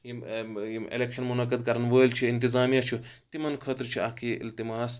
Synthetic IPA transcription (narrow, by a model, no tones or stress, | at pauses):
jiiḛlekʃɐnmunɐkəd̪kɐɾɐnʋəːjlt͡ʃʰiɪnt̪izaːmijat͡ʃʰu | t̪imɐnkʰɐt̪ɾt͡ʃʰiaːkʰiɪ̰lt̪imaːs